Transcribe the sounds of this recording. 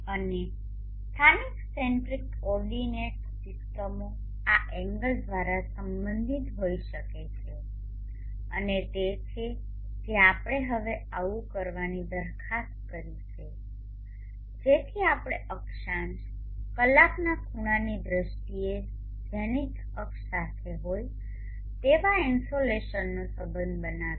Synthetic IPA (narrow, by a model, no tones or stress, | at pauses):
əne | st̪ʰaniksseɳʈɾik | ɔɾɖineʈ | sɪsʈəmo | aʔɛ̃ŋɡəld̪ʋaɾasəmbənd̪ʱit̪ɦoiʃəket͡ʃʰe | ə̰net̪et͡ʃʰe | d͡ʒeapəɽ̃eɦəʋe | aʋukəɾʋanid̪əɾkʰast̪̚kəɾit͡ʃʰe | d͡ʒet̪ʰiapəɽ̃eʔəkʃãnt͡ʃ | kəlaknakʰuɽ̃anid̪ɾəʃʈie | d͡ʒenik | əkː | at̪ʰeɦoj | t̪eʋainsoleʃənːosəbənbəna